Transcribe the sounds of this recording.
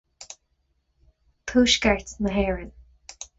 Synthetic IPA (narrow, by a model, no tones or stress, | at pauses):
tʰuːʃkəɹt̪nəɦɛːɹən